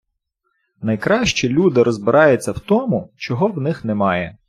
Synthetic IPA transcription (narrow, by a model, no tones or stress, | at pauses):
nɐjkɾɑʃt͡ʃilʲud̪ɪɾɔzbɪɾʔɑjʊt͡sʲːɐwt̪ɔmʊt͡ʃɔɦɔwnɪxnɛmɑjɛ